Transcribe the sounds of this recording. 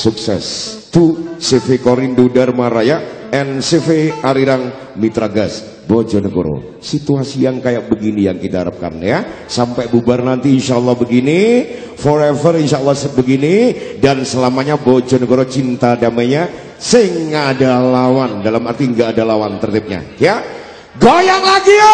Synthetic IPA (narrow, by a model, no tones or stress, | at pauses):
suksɛ̰st̪usefekoɾindudarmaɾajaʔ | ɛnsefeaɾiɾaŋ | mit̪ɾaɡas | bod͡ʒɔnəɡo̰ɾo̰ | sit̪uasijaŋkajak̚bəɡinijaŋkit̪aɦaɾap̚ka̰nja | sampɛbubarnant̪iːnʃaʔəlːahbəɡini | fɔɾevərinʃaəlːɑhsəbəɡinidansəlamaɲabod͡ʒɔnəɡoɾot͡ʃint̪adamaɲa | səɪŋːadalawandalamart̪iəŋɡaːdalawant̪ərt̪ip̚ɲa̰jaʔ | ɡajaŋlaɡi